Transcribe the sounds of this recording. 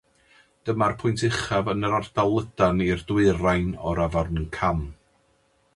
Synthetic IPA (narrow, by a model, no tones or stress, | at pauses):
d̥əmarpʰʊjntʰɪχavənəɾard̥alˠədanirdwɨrajnɔ̰ɾavarnənkʰam